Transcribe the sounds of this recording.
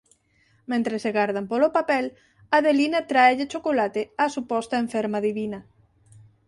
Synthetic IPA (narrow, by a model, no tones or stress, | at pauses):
mẽnt̪ɾeseɣaɾðampolopapɛl | aðelinat̪ɾaeʎet͡ʃokolat̪easupɔst̪aeɱfeɾmaðiβina